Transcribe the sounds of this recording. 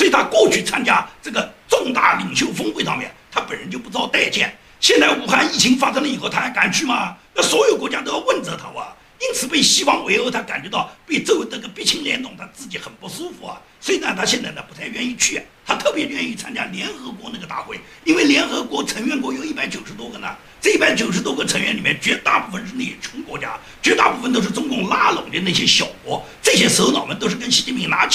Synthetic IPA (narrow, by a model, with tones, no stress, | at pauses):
wɔ˧˥i˨˩t̪ʰa˥kɔ˥˧t͡ɕʰy˥˩t͡sʰa˥nt͡ɕja˥ʈ͡ʂɤ˥˩ɡə˩ʈ͡ʂʊ˥˧ŋt̪a̰˥˩li˨˩ŋɕjo˥˩ʊfɤ˥ŋxwe˥˩ɪfɑ̰˥˧mjɛ̰˥˩nt̪ʰa˥pə˨˩nɻə˧˥nt͡ɕjo˥˧pu˧˥ʈ͡ʂ̩˥t̪ɑ˥˧ʊt̪a˥˧ɪt͡ɕjɛ̰˥˩n | ɕjɛ˥˧nt͡sa˥˩ɪu˧˩xa˥˧ni˥˩t͡ɕʰi˧˥ŋfa˥sɤ˥˧ŋlə˧i˨˩xo˥˩ʊt̪ʰa˥˧˥ka˨˩nt͡ɕʰy˥˩mɐ˩na˥˩swɔ˧˥jo˨˩ʊkwɔ˧˥t͡ɕja˥t̪o˥ʊjɑ˥˧ʊwə˥˩nt͡sɤ˧˥t̪ʰa̰˥wɐ̰˧˩ | i˥nt͡sʰɹ̩˨˩pe˥˩ɪɕi˥fɑ˥ŋwe˧˥ɪxo˧˥t̪ʰa˥ka̰˨˩nt͡ɕɥɛ˧˥t̪ɑ˥˩ʊpe˥˧ɪt͡sɔ˥˧we˥˩d̪ə˥ɡə˩pi˥˩t͡ɕʰi˧˥ŋljɛ̰˧˥nt̪ʊ˨˩ŋt̪ʰa˥t͡sɹ̩˥˩t͡ɕi˧˥xə˨˩npu˥˩su˥fu˧˥ɐ̰˩ | swɔ˧˥i˨˩nə˧t̪ʰa˥ɕjɛ˥˧nt͡sa˥˩ɪnə˧˩pu˧˥t͡s̪ʰa˥˧ɪɥɛ˥˧ni˥˧t͡ɕʰy˥˩t̪ʰa˥t̪ʰɤ˥˩pjɛ˧˥ɥɛ˥˧ni˥˩t͡sʰa˥nt͡ɕja̰˥ljɛ˧˥nxɤ˧˥kwɔ˧˥na˥˩ɡə˩t̪a̰˥˧˩xwe˥˩ɪ | i˥nwe˥˩ɪljɛ˧˥nxɤ˧˥kwɔ˧˥t͡sʰə˧˥ŋɥɛ˥˩nkwɔ˧˥jo˨˩ʊi˥˩pa˧˥ɪt͡ɕjo˨˩ʊʂɻ̩˧˥t̪̬wɔ˥ɡə˧˨nə̰˩ | ʈ͡ʂɤ˥˧i˥˩a˧˥ɪt͡ɕjo˨˩ʊʂɻ̩˧˥t̪wɔ˥ɡə˧˨t͡sʰə˧˥ŋɥɛ̰˥nli˨˩mɛ˥˧nt͡ɕɥɛ˧˥t̪a̰˥˧pu˥˩fə˨˩nʈ͡ʂɻ̩˥˧ne˥˩˥t͡ɕʰʊ˧˥ŋkwɔ̰˧˥t͡ɕja̰˥ | t͡ɕɥɛ˧˥t̪a̰˥˧pu˥˩fə˨nt̪o˥ʊʂ̬ɻ̩˥˧˩ʈ͡ʂʊ˥ŋkʊ˥˩ŋla˥lʊ˨˩ŋt͡ɕə˧˦na˥˩ɕjɛ˥ɕjɑ˨˩ʊkwɔ˧˥ | ʈ͡ʂɤ˥˩ɕjɛ˥sʊt̪ɑ˨˩ʊmə˦˥nt̪o˥ʊʂɻ̩˥˩kə˥nɕi˧˥t͡ɕi˥˩pʰi˧˥ŋna˧˥t͡ɕʰ